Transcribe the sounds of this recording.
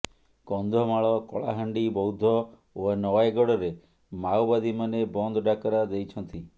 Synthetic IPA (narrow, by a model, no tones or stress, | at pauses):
kɔnd̪ʱɔmaɭɔkɔ̰ɭa̰ɦaɳɖibɔwd̪ʱɔ | onɔwajɡɔɽɔɾe | mawbad̪ʱimanebɔnd̪ʱɔɖakɔɾad̪ejt͡ʃʰɔnt̪i